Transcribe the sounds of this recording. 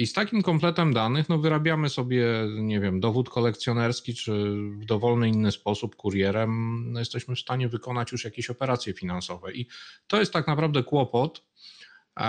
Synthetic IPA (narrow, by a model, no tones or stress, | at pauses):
ist̪akʲimkɔmplɛt̪ɛmd̪anɘxnɔvɘɾabʲjamɘsɔbʲjɛɲɛvʲjɛmd̪ɔvut̪kɔlɛkt̪sʲjɔnɛɾskʲit͡ʂɘvd̪ɔvɔlnɘinːɘspɔsupkuɾjɛɾɛmjɛst̪ɛɕmɘfst̪aɲɛvɘkɔnat͡ɕjuʂjakʲeɕɔpɛɾat̪sʲjɛfʲinansɔvɛʔit̪ɔjɛst̪ːaknapɾavd̪ɛkwɔpɔt̪